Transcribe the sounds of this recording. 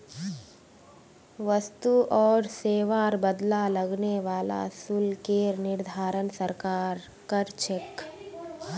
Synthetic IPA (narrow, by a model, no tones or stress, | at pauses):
ʋəst̪uʔɔːɾseːʋaːɾbəd̪lalɐɡneʋaːla̰sulkeɾnɪɾd̪ʱaːɾənsəɾkaːɾ | kəɾt͡ʃek